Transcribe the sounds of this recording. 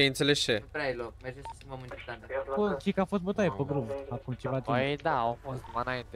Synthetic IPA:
eint̪selet͡ʃepɾajlokmerd͡ʒesə̥skʲimbəmɨnt͡ʃet̪and̪akut͡ʃekafo̞st̪̚bot̪ajepəɡɾumakumt͡ʃevat͡ʃd̪aawfost̪d̪umanaint̪e

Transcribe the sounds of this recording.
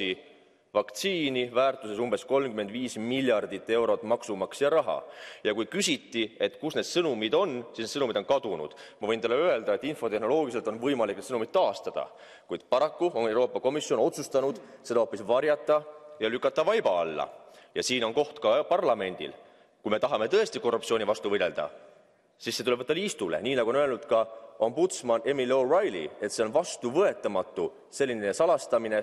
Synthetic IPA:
i | vɑkt̪siːnivæːrt̪ˑuse̞sumbe̞sko̞lmkyme̞nd̪viːsmiljɑrd̪it̪ːˑe̞wɾo̞t̪ːˑmɑksumɑksjɑɾɑɦɑ̰jɑkujkysʲit̪ːie̞t̪kusne̞d̪̥sɤnumid̪o̞nsisned̪sɤnumid̪o̞nkɑd̪̥unṵd̪̥mɑvɤjnt̪ɑlːeøe̞ld̪ɑe̞t̪ːˑinfo̞t̪e̞hno̞lo̞ːɡ̥is̬elt̪o̞nvɤjmɑlikne̥sɤnumid̪̥t̪ːɑːst̪ɑd̪̥ɑ̰ | kujd̪̥pɑɾɑkːuonewɾo̞ːpːˑɑko̞misjo̞no̞t̪sust̪ɑnud̪̥se̞d̪ɑo̞pːˑisvɑɾjɑt̪ːˑɑjɑlykːˑɑt̪ːˑɑvɑjb̥ɑɑlːɑ̰jɑsiːno̞nko̞ht̪kɑpɑrlɑme̞nd̪̥ḭl | kujme̞t̪ɑɦɑme̞t̪ɤ̞est̪iko̞rːupt̪sionʲivɑst̪uvɤd̪e̞ld̪̥ɑ̰ | sisːet̪ulevɤt̪ːˑɑliːst̪ule̞̰niːnɑɡuo̞nøe̞lnud̪̥kɑo̞mbut̪smɑne̞milo̞ːrɑjlḭe̞t̪se̞o̞nvɑst̪uvɤe̞t̪ːˑɑmɑt̪ːu | se̞lʲːine̞sɑlɑst̪ɑmine̞

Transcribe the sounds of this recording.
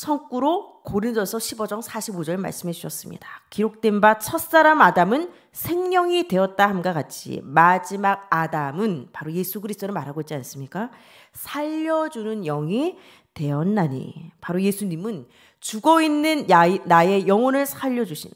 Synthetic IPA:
sʰʌŋk͈uɾokʰoɾindosʰʌɕʰibʌd͡ʑʌŋsʰaɕʰibod͡ʑʌɭema̰ɭs͈ɯmed͡ʑuɕʰʌs͈ɯmɲḭd̥ḁkiɾok̚t͈e̞nbat͡ɕʰʌs͈aɾamadamɯn | sʰe̞ŋɲʌŋidwe̞ʌt̚t͈ahamɡakat̚t͡ɕʰḭmad͡ʑimaɡ̚adamɯnpaɾoje̞sʰuɡɯɾisʰt͈onɯnmaɾɦaɡoit̚t͡ɕians͈ɯmɲik͈a | sʰaʎːʌd͡ʑunɯnjʌŋi | te̞ʌnːaɲḭpaɾoje̞sʰuɲimɯn | t͡ɕuɡʌinːɯnaːaje̞jʌŋʌnɯɭsʰaʎːʌd͡ʑuɕʰin

